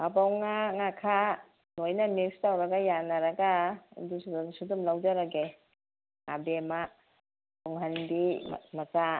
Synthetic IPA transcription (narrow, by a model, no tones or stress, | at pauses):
abawŋaŋakʰa | nojnamekstawɾɐɡajanaɾɐɡa̰dissudumlawd͡ʒaɾaɡe | abema | tuŋɦanbim̰maza